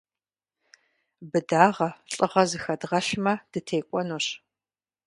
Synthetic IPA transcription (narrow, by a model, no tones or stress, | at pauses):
bɨdaːʁɐɬʼɨʁɐzɨxɐdʁɐɬmɐd̥ɨtʰeːkʷʼɔnoːɕ